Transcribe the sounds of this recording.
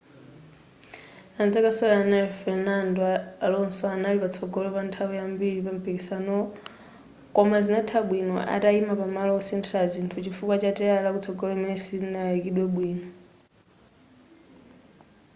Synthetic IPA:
anzakasɔlanaɛfɛnandɔalɔnsɔanalipat͡sʰɔɡɔlɔpantʰawɛambiɺipam̩pʰikisanɔ | kɔmazinatʰaɓwinɔ̰ʔa̰taimapamalɔɔsɛntʰɾalzintʰut͡ʃifukwat͡ʃatɛalakut͡sʰɔɡɔlɔimɛnɛsinaikiɗwɛɓwiːnɔ

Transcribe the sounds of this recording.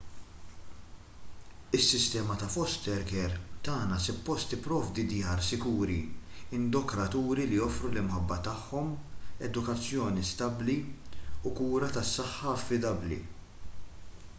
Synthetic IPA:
ɪsːɪst̪ɛːmɐt̪ɐfɔst̪ɛɾkɛɾt̪ɐːnɐsʊpːɔst̪ɪpːɾɔːvd̪id̪jɐːɾsɪkuːɾiɪnd̪ɔkɾɐt̪uːɾilijɔfɾulɪmħɐbːɐt̪ɐħːɔmɛ̰d̪ʊkɐt͡sːjɔːnist̪ɐbliukuːɾɐt̪ɐsːɐħːɐɐfːɪd̪ɐblḭ

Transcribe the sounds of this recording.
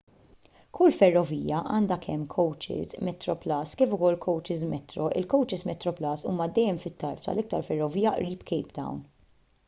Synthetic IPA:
kʰʊlːfɛrːɔviːjɐʔɐːnd̪ɐkʰɛmːkʰɔwt͡ʃɪ̰zmɛt̪ɾɔplɐːskiːfʊkɔlːkʰɔwt͡ʃɪzmɛt̪ɾɔʔɪ̰lkɔwt͡ʃɪsmɛt̪ːɾɔplɐːsṵːmɐd̪ɛjːɛmfɪt̪ːɐɾft̪ɐ̰lɪk̚t̪ɐɾfɛrːɔviːjɐʔɾiːpkɛjpd̪ɐ̰wn

